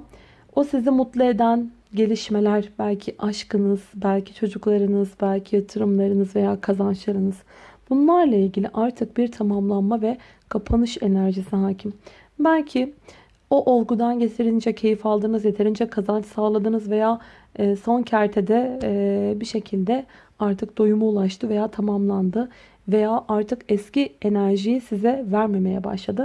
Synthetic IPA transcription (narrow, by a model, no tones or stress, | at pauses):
osizimut̪lˠɯe̞d̪æn | ɟe̞lʲiʃme̞lʲæɾbælʲcʰiʔaʃkɯnɯz̥bælʲcʰi̥t͡ʃʰo̞d͡ʒuklˠaɾɯnɯzbælʲcʰijat̪ʰɯɾɯmlˠaɾɯnɯzve̞jaːkʰazant͡ʃlˠaɾɯnɯz̥b̥unlˠaɾlˠailʲɟilʲiʔaɾt̪ʰɯk̚biɾt̪ʰamamlˠanmavɛ | kʰapʰanɯʃe̞næɾʒisiɦaːcʰim | bælʲcʰi | oʔolˠɡud̪anɟe̞t̪ʰiɾind͡ʒɛcʰe̞jifalˠd̪ɯːnɯzje̞t̪ʰeɾind͡ʒɛkʰazant͡ʃsaːlˠad̪ɯnɯzve̞jaː | so̞ncʰæɾt̪ʰed̪ɛ | biʃe̞cʰilʲd̪ɛ | aɾt̪ʰɯk̚d̪ojumuulˠaʃt̪ʰɯve̞jaːt̪ʰamamlˠand̪ɯ | ve̞jaːʔaɾt̪ʰɯkɛscie̞næɾʒijisizɛvæɾme̞me̞jɛba̰ʃlˠad̪ɯ